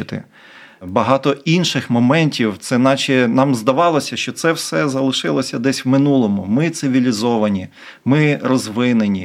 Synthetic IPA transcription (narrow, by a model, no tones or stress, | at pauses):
ɪt̪ɪ̰ | bɐɦɑt̪ɔinʃɪxmɔmɛnʲtʲiwt̪sɛnɑt͡ʃɛnɑmzd̪ɐʋɑlˠɔsʲɐʃt͡ʃɔt̪sɛwsɛzɐlˠɪʃɪlˠɔsʲɐd̪ɛsʲwmɪnulˠɔmʊmɪt̪sɪʋʲilʲizɔʋɐnʲi | mɪɾɔzʋɪnenʲi